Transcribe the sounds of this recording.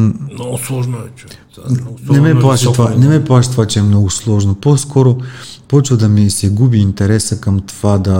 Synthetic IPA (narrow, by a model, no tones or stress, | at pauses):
nɛmɛplˠaʃət̪ovanɛmɛplˠaʃə̥t̪ovat͡ʃɛɛmnɔɡʊslˠɔʒnoposkʰɔɾopɔt͡ʃvəd̪ɐmisɛɡubiːnt̪ɛɾɛsəkɐmt̪ovad̪ɐ